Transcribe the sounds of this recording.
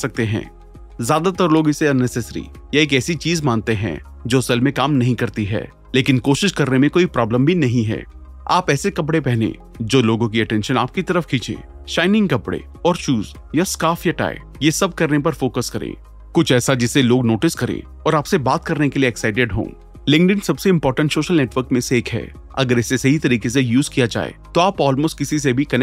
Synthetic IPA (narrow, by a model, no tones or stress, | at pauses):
ɐk̚t̪eɦɛ̰̃ː | zjaːd̪at̪ɐɾloːɡɪseɐnːɛsɛːsəɾḭ | jaeːk̬ɛːsit͡ʃiːzmãːnt̪eɦɛ̰̃ː | d͡ʒoːsɛlmẽkaːmnɐɦĩkɐɾt̪iɦɛ̰ː | leːkɪnkoːʃɪʃkɐɾnemẽkoːipɾaːblə̃mbʱinɐɦĩɦɛ̰ː | a̰ːpɛːsekɐp̬ɽepɛɦnḛ̃ | d͡ʒoːloːɡõk̬iɐʈɛ̃ːnʃəna̰ːp̚kit̪ɐɾəfkʰiːt͡ʃḛ̃ː | ʃaːɪnɪ̃ŋɡkɐpɽḛ | ɔːɾt͡ʃuːz | jaskaːfjaʈa̰ːḛ | jesɐb̚kɐɾnepɐɾfoːkəskɐɾḛ̃ː | kʊt͡ʃʰɛːsad͡ʒɪseloːɡnoːʈɪskɐɾḛ̃ː | ɔːɾaːpsebaːt̪kɐɾnekelieːksaːɪʈeɖɦõ̰ː | lɪ̃ŋɖɪ̃nsɐbseɪ̃mpɔːɾʈə̃ɳʈsoːʃəlneːʈʋəɾkmẽseeːkɦɛ̰ː | ɐ̰ɡəɾɛːsesɐɦit̪ɐɾiːkes̬ejuːzkijad͡ʒa̰ːḛt̪oaːpɔːlmoːsʈ̚kɪsis̬ebʱikɐn